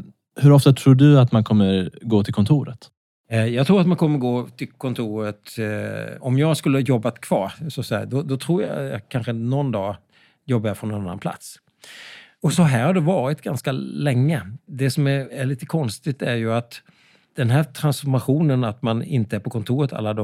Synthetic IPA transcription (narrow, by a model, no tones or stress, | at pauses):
hɵɾɔft̪at̪ʰɾuːɖɵat̪mankʰɔmːəɾɡoːt̪ʰɪlkʰɔnt̪ʰuːɾə̰t̪ | jɑːɡt̪ʰɾuːɾat̪mankʰɔmːəɾɡoːt̪ʰɪlkʰɔnt̪ʰuːɾət̪ | ɔmjɑːɡskɵlːəhɑjɔbːat̪kʰv̥ɑ̰ːɾsɔsæ̰d̪ɔd̪ɔt̪ʰɾuːɾja̰jɑ̰kʰanɧənɔnd̪ɑː | jɔbːajafɾɔnːɔnanːa̰npʰla̰t̪s | ɔsɔɦæːɾhaɖɛvɑːɾɪt̪ɡanskalɛŋːəd̪ɛsɔmæɾæɭiːt̪ə̥kʰɔnst̪ɪt̪æɾjɵat̪ | d̪̥ɛnɦæːt̪ʰɾansfɔɾmaɧuːnənat̪manɪ̰nt̪əæɾpʰɔkʰɔnt̪ʰuːɾət̪ʰa̰lːad̪ɔ